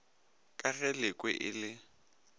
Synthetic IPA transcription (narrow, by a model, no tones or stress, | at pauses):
kʼaɣɛlɪkʼwɛ̰ʔɪlɪ